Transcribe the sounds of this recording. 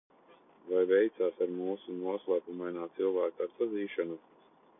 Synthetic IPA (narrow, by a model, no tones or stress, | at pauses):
vajvɛjt̪saːsaɾmuːsunuɔslˠapumajnaːt̪silˠvaːkaɾsaziːʃanu